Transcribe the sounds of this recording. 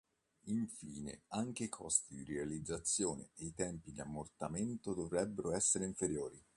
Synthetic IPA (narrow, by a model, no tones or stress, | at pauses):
iɱfḭːnḛaŋk̟eikʰɔst̪id̪irealid̪zːat̪sːjoːnḛːit̪ɛmpid̪iamːort̪ament̪od̪ovɾɛbːeɾoɛsːeɾeiɱfeɾjoːɾi